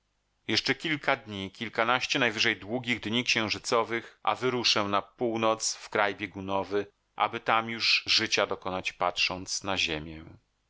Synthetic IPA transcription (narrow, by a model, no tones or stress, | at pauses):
jɛʂt͡ʂɛkʲilkad̪ɲikʲilkanaɕt͡ɕɛnajvɘʐɛjd̪wuɡʲiɣd̪ɲikɕɛ̃w̃ʐɘt̪sɔvɘxʔa̰vɘɾuʂɛ̃napuwnɔt̪sfkɾajbʲjeɡunɔvɘ | ʔa̰bɘt̪amjuʐʐɘt͡ɕad̪ɔkɔnat͡ɕpatʂɔnt̪snaʑemʲjɛ